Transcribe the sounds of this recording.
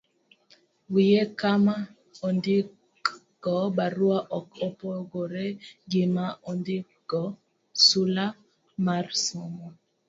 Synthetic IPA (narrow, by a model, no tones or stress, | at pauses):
wijekama | ɔndɪ | ɡ̥ɔbaɾwaʔɔkopɔɡoɾeɡɪmaɔndɪ | ɡ̥ɔ | sula | marsɔmɔ